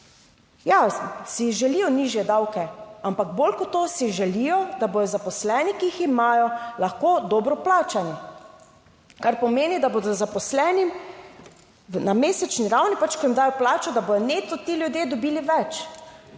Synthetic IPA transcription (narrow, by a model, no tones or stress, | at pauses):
jasiʒɛlijɔniːʒjɛd̪awkɛampaɡboːlkɔt̪ːosiʒɛlijɔd̪aboj̪ɔzapɔslɛːnikiiximaːjɔlaxkod̪ɔːbɾɔplaːt͡ʃani | kaɾpɔmeːnid̪aboːd̪ɔzapɔslɛːnim | nameːsɛt͡ʃniɾawnipat͡ʃkɔjimd̪aːjɔplaːt͡ʃɔd̪abodjɔnet̪ɔt̪iljud̪jeːd̪ɔbiːliʋɛt͡ʃ